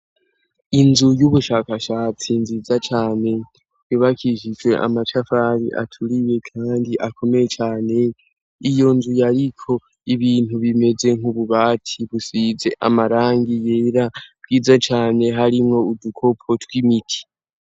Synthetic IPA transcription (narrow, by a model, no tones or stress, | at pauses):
inzujuβuʃaːkaʃat͡sinzizat͡ʃaːne̞ | juβakʰiʃid͡ʒwe̞ʔa̰mat͡ʃafaɾḭʔa̰tʰuɾije̞kʰaːndiʔakʰo̞me̞jet͡ʃaːne̞ | ijo̞nzujaɾikʰo̞ | iβiːn̥uβime̞ze̞ŋ̥uβuβaːtʰiβusize̞ʔa̰maɾaːŋɡije̞ːɾabɡiːzat͡ʃaːne̞ɦaɾimŋo̞udukʰo̞pʰo̞twimitʰi̥